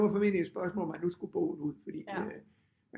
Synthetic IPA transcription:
ʋɑ̈fɒmið̰ˠlied̥sb̥ɶɐsmɔ̰lɒmænːusɡ̥ub̥o̰ːuð̰ˠfɒd̥ḭː

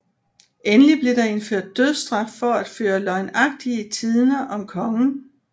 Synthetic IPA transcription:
enəlib̥le̝ɾ̥ɑ̈e̝nføɐ̰d̥̚ːøð̞̰ˠsd̥ʁɑ̈fːɒ̽æd̥føːɐlɒ̽ɪnɑ̈ɡ̥̚d̥iət͡sʰiðˠnɐʔɒ̽mkʰɒ̽ŋn̩

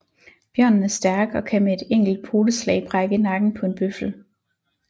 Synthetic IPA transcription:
b̥jɶɐ̰nn̩æɐsd̥æɐɡ̥ɒ̽kʰæmee̝d̥eŋ̰ɡ̥l̩d̥̚pʰo̝ːd̥əslɛ̰ɪ̰b̥ʁɑɡ̥ənɑ̈ɡ̥n̩pʰɒ̽e̝nb̥øfl̩

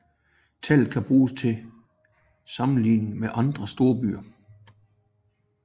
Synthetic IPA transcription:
t͡sʰæl̰ð̩ˠkʰæb̥ʁuːst͡sʰe̝ | sɑ̈mn̩lḭːnn̩meʔɑ̈nd̥ʁɐsd̥o̝ɐb̥y̰ːɐ

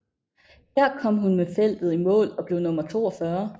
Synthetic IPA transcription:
hæɐ̰kʰɒ̽m̰ɦunmefel̰d̥ð̞̩ˠimɔ̰̽ːlɒ̽b̥le̝ʊnɔ̽mɐt͡sʰo̝̰ːɒfɶːɐ

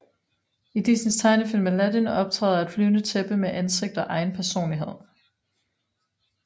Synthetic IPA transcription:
id̥isnist͡sʰɑ̈ɪnəfil̰mælæd̥inɒ̽b̥̚t͡sʰʁɛ̰ːð̩ˠɐæd̥flyːnət͡sʰeb̥əmeʔænse̝ɡ̥̚d̥ɒ̽ʔɑ̈ɪnpʰæɐso̝̰ːnliɦe̝ð̞̰ˠ

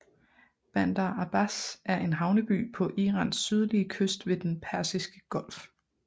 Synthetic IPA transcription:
b̥ænd̥ɑɑb̥æsæɐʔe̝nɦɑ̈ʊnəb̥y̰ːpʰɒ̽ʔiːʁɑ̰̈ːnsːyð̞ˠliəkʰøsd̥ʋe̝d̥enpʰæɐsisɡ̥əɡ̥ɒ̽l̰f

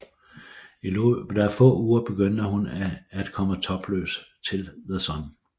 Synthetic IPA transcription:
id̥ɑɐfɔ̰̽ːuːɐb̥e̝ɡ̥øn̰d̥əhunæd̥kʰɒ̽mət͡sʰɒ̽b̥lø̰ːst͡sʰe̝lðesɒn

